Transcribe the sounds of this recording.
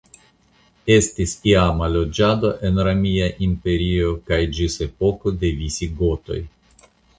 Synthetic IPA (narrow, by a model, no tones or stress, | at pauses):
e̞stisiamalːo̞d͡ʒado̞ʔe̞nɾamiaʔimpe̞ɾio̞kajd͡ʒise̞po̞ko̞de̞visiɡo̞to̞̰j